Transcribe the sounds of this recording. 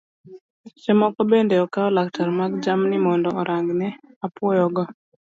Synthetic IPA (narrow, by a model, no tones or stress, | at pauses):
sɛmɔkɔbendɛɔkaɔlaktaɾmaɡd͡ʒamnɪmɔndɔɔɾʔaŋɡnɛ | apwɔjɔɡɔ